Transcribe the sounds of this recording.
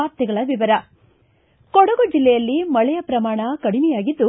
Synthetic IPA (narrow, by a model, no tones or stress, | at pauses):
aːɾt̪jɛɡɐɭɐʋiʋɐɾɐ | kɔɽɐɡod͡ʒilːɛjɐlːimɐɭɛjɐpɾɐmaːɳɐkɐɽimɛjaːɡid̪ːu